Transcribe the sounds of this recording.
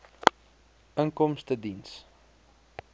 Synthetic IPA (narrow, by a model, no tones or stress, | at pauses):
əŋkɔmstədins